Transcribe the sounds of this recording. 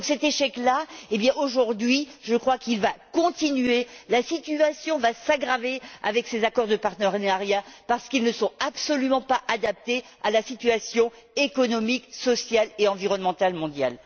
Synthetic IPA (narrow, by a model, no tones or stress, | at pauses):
ɔ̃ksɛt̪eʃɛklaebjɛ̃ʔoʒuʁd̪ɥiʒəkχwakilvakɔ̃t̪inɥelasit̪yasjɔ̃vasaɡʁavea̰vɛksezakɔʁd̪əpaʁt̪əʁnaʁjapaʁsə̥kilnəsɔ̃apsɔlymɑ̃paʔad̪ap̚t̪e | alasit̪yasjɔ̃ | ekɔnɔmiksɔsjaleɑ̃viʁɔnmɑ̃t̪almɔ̃d̪ja̰l